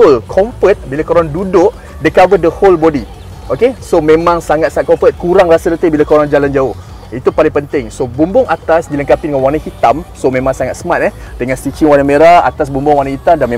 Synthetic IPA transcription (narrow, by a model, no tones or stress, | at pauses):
ʊlkʰɔɱfət̪̚bilakoɾaŋdudʊʔ | dəkabədəholbodi | ʔokesomẽmãŋsaŋat̪̚sat̪̚kɔmfət̪̚kuɾaŋrasəɾət̪əbilakoɾaŋd͡ʒaland͡ʒaʊh | it̪upalɪŋpənt̪ɪŋsobumbʊŋʔat̪asd͡ʒilənkapidəŋanwanaŋhit̪amsomẽmãŋsaŋat̪̚səmat̪̚ɛh | dəŋanst̪it͡ʃiŋwanãŋmeɾaa̰t̪as̬bumbʊŋwanãŋhit̪amdanmẽ